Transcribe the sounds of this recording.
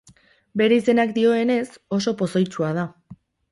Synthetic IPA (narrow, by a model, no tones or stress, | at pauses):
be̞ɾe̞ise̞nakd̪io̞e̞ne̞so̞so̞po̞so̞jt͡ʃuað̞a